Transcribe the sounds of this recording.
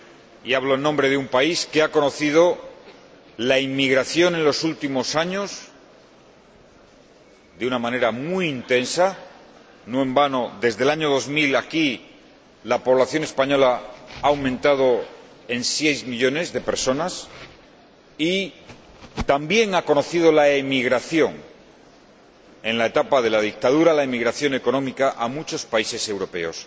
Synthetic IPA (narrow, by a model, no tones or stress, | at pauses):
iaβlo̞enːõmbɾe̞ðeumpaiskeako̞no̞θið̞o̞ | laimːiɣ̞ɾaθjo̞nẽ̞nlo̞sult̪imo̞saɲos | d̪eunamãne̞ɾamwiːnt̪e̞nsa | noẽ̞mbanoðe̞zðe̞laɲo̞ð̞o̞zmilaki | lapo̞β̞laθjo̞ne̞spaɲo̞laaːwmẽnt̪að̞o̞ | e̞nsjejzmiʎo̞ne̞zðe̞pe̞ɾso̞nas | i | t̪ambje̞ŋako̞no̞θið̞o̞laemiɣ̞ɾaθjo̞ŋ | e̞nlaet̪apaðe̞laðik̚t̪að̞uɾalaemiɣɾaθjo̞ne̞ko̞nõ̞mikaʔamut͡ʃo̞spaise̞se̞wɾo̞pe̞̰o̞s